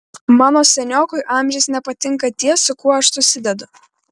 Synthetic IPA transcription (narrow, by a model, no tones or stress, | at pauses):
mɑːnoːsʲɛnʲoːkʊɪʔɑːˑmʲʒʲɛɪsnʲɛpɐt̪ʲɪŋˑkɐt̪ʲiɛsʊkuɔɐʃsʊsʲɪd̪ʲɛd̪ʊ